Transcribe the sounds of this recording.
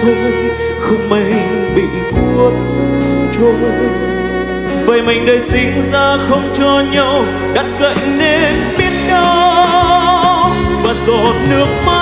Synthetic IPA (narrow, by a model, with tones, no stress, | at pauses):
ə˧ | xə˧wŋ͡mmə˧˩j | ɓḭ˧˨ | ku˧ət̚ | t͡ɕo˧ | vəː˨˩jma˨˩jŋ̟ɗəː˨˩jsï˨˦ŋzaː˧xə˧wŋ͡mt͡ɕɔ˧ɲə˧w | ɗa˦˥t̚kə̰˧˨jne˧n | ɓi˦˥ət̚ɗɔ˨˧ | vaː˨˩zɔ˧˨˩nɨ˦˥ək̚ma˧